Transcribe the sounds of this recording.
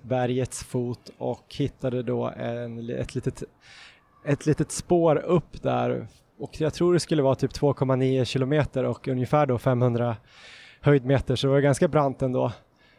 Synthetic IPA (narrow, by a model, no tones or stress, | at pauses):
bæɾjət̪sfuːt̪ɔ̰khɪt̪ːad̪əd̪ɔ̰ːɛ̰nlɛ̰t̪ʰliːt̪ət̪ | ɛt̪ʰliːt̪ət̪spoːɾɵpːd̪æ̰ɾ | ɔkjat̪ʰɾuːɖɛskɵlːəvɑːt̪ʰyːp̚t̪ʰv̥oːkʰɔmːaniːʊɕɪlʊmeːt̪əɾɔkɵnjəfæːɖɔfɛmhɵnd̪ɾa | hœjd̪meːt̪əʂɔd̪ɛvaɾɛɡanskabɾant̪ɛnd̪o̰ː